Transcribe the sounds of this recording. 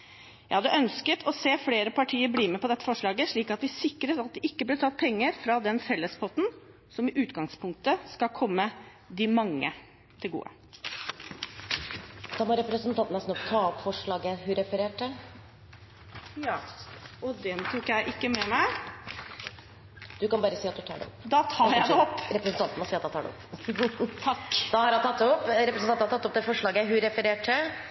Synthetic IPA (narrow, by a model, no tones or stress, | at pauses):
jæɪhɑd̪əʔœnskət̪ʰɔseːfleːɾəpɑʈʰiːəɾbliːmɛpɔd̪ɛt̪ːə̥fɔʂɭɑːɡəʂɭiːkɑt̪ʋɪsɪkːɾəɾɑt̪̚d̪ɛʔɪkːəblɛt̪ʰɑt̪̚ːpʰɛŋːəɾfɾɑd̪ɛnfɛlːəspɔt̪n̩ | sɔmɪʔʉːt̪ɡɑŋspʰʊŋk̚t̪əskɑkʰɔmːə | d̪ɪmɑŋːə̰ | t̪ʰɪlɡṵːə̰ | d̪̥ɑmɔɾɛpɾəsənt̪ʰɑnt̪ənəsnɔt̪ʰɑːɔpfɔʂɭɑːɡəhʉɾɛfəɾeːʈə | jɑːɔd̪ɛnt̪ʰuːkjæɪʔɪkːəmɛmæɪ | d̪̥ʉkɑnbɑːɾəsiːɑt̪̚d̪ʉt̪ʰɑ̰ːɖɛ̰ɔ̰pːd̪ɑt̪ʰɑːɔpːɾɛpɾəsənt̪ɑnt̪nɔsiːt̪ɑːt̪ʰɑːɖɛ̰ɔ̰pː | t̪ʰɑkːd̪̥ɑhɑɾjɑt̪ɑt̪ːɔpːɾɛpɾəsnɑnɑt̪ɑt̪ːɔp̚d̪ɛfɔʂɭɑːɡəɦʉɾɛfəɾeːʈʰːə